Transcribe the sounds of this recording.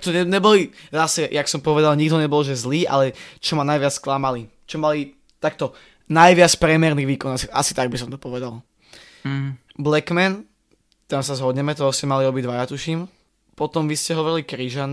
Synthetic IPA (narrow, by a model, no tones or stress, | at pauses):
t̪ɔɲɛɲɛbɔlizasɛjaksɔmpɔʋɛd̪alɲiɡd̪ɦɔɲɛbɔlʒɛzliːʔa̰lɛt͡ʃɔmanajʋɪat͡sklamali | t͡ʃɔmali | t̪ak̚t̪ɔ | najʋɪat͡spɾɛmɛɾniɣʋiːkɔnasʔa̰si̥t̪aɡ̚bisɔmt̪ɔ̥pɔʋɛd̪alˠ | blɛkmɛn | t̪amsazɦɔd̪ɲɛmɛt̪ɔɦɔscɛmaliɔbiɟd̪ʋajat̪uʃim | pɔt̪ɔmʋiscɛɦɔʋɔɾilikɾiʒan